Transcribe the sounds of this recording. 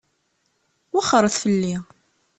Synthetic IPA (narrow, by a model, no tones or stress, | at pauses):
waχəɾˤəθfəlːi